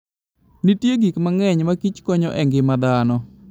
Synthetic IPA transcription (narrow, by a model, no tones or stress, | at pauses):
nitjeɡikmaŋɛɲmakit͡ʃkɔɲɔʔɛŋɡɪmad̪anɔ